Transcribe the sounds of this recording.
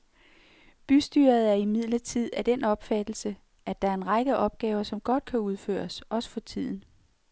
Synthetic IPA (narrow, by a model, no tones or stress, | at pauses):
b̥ysd̥y̰ːɐð̞̩ˠæɐimið̞̰ˠlɐt͡sʰið̞̰ˠæd̥enɒ̽b̥fæd̥l̩sə | ʔæd̥ɑ̈æɐe̝nʁɑ̈ɡ̥əʔɒ̽b̥̚ɡ̥ɛːʊɐsɒ̽mɡ̥ɒ̽d̥kʰæuð̞ˠfø̰ːɐsɒ̽sə̥fɒ̽t͡sʰið̞̰ˠn̩